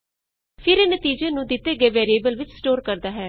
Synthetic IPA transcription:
pʰɪɾeːnət̪iːd͡ʒeːnũːd̪ɪt̪eːɡeːʋɛːɾieːbəlʋɪt͡ʃsʈoːɾkəɾd̪aːɦɛː

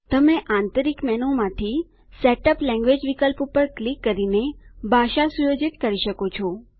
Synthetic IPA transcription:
t̪əmeʔãnt̪əɾikmɛnomãt̪ʰi | seʈəplɛ̃ŋɡʋed͡ʒʋikəlpupəɾklikːəɾinebʱaʃasujod͡ʒit̪kəɾiʃəkot͡ʃʰɔ

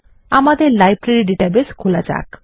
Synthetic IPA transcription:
amad̪eɾlajbɾeɾiɖiʈabeskʰulad͡ʒa̰k

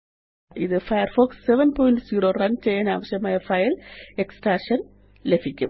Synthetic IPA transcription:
iðɨfɐjɐɾfoːksːeʋɐnpoːjnʈsiːɾoːrɐnt͡ɕejaːna̰ːʋɐɕjɐmaːjɐfɐjɐleksʈaːʂɐn | lebʱikʲːu

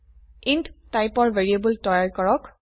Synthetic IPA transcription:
inttajpɔɹveɹiebultɔjaɹkɔɹɔk

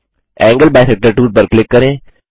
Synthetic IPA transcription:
ɛ̃ːŋɡəlbɛːsɛk̚ʈəɾʈuːʈ̚pəɾklɪkːəɾẽː

